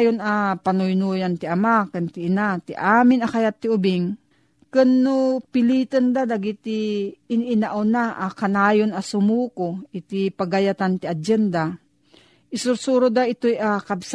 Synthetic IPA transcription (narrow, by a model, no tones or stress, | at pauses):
jonapanʊjnujant̪ɪʔamakɨnt̪ɪʔːnat̪ɪʔaːmɪnɐkajat̪ːɪʊbɪŋ | kɨnːʊpɪliːt̪ənd̪ad̪aɡit̪iːnɪnaʔonaʔakanaːjonɐsʊmuːkoʔɪt̪ipaɡajat̪ant̪ɪʔad͡ʒɛnd̪a | ʔɪsʊɾsuɾʊd̪aɪt̪ojakabs